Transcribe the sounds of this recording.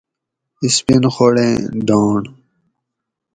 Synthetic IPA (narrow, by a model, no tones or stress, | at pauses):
ispinxoɽḛ̃ːd̪ɔːɳ